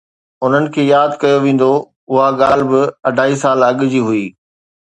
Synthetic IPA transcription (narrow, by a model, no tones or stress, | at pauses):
ʊn̤ənɪ̆kʰeːjaːd̪kɐjoʋẽːn̆d̪o | ʊɦaɠaːlbɪɐɖʱaːisaːlɐɠd͡ʑiːɦʊiː